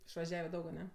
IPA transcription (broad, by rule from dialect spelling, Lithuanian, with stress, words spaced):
ɪʃʋɐˈʒʲæːʋʲɛ ˈdɐʊk ɐˈnʲɛ